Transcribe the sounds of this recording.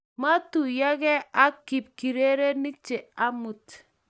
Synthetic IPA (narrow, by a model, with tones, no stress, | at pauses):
ma˦tu˨ja˦kɛ˦a˦ki˨p̚ki˨ɾe˦ɾe˦ni˦t͡ʃe˨a˦mu˨t